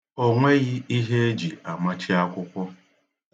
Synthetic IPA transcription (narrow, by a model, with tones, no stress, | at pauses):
o˦ŋʷe˦ɣɪ˦i˦ɦe˦e˦d͡ʒi˨a˨ma˦t͡ʃɪ˦a˦kʷʊ˦kʷɔ˦